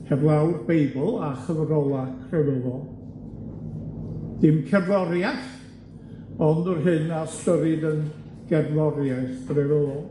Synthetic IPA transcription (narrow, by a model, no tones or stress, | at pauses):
hɛvlˠawrbejbəlˠaχəvrɔlˠakʰrɛvəðɔ | d̥ɪmkʰɛblɔɾjaθ | ɔndɔrɦɨnastəɾɪdən | ɡ̥ɛvlˠɔɾjajθbrɛɾəlɔ